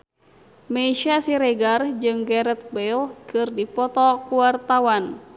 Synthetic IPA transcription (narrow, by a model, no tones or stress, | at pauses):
meiʃasiɾɛɡard͡ʒɨŋɡɛɾɛt̪̚belkɨrdipɔt̪ɔkuwart̪awan